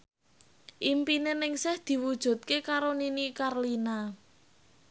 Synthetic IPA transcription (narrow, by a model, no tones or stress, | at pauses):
ʔimpinenɪŋsɪhd̪̥i̤wud̥ʒ̥ṳt̪̚kekaɾoninikarlina